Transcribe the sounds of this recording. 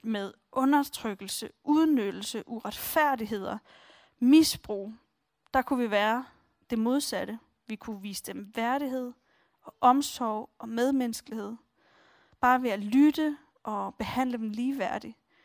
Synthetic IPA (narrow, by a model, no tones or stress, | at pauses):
með̞ˠ | ʔɔ̽nɐt͡sʰʁœɡ̥l̩səʔuð̞ˠnød̥l̩səʔuʁɑd̥fæɐ̰diɦe̝ð̞̰ˠɐ | misb̥ʁṵː | d̥ɑ̈kʰuʋiʋæːɐ | d̥e̝mo̝ð̞ˠsæɾə | ʋikʰuʋḭːsə̥d̥emʋæɐɾ̥iɦe̝ð̞̰ˠ | ɒ̽ʔɒ̽msɒʊ̰ɒ̽með̞ˠmensɡ̥lihe̝ð̞̰ˠ | b̥ɑ̈ːʋe̝ælyd̥ə | ʔɒ̽b̥e̝hæn̰ləd̥emliːʋæɐ̰d̥i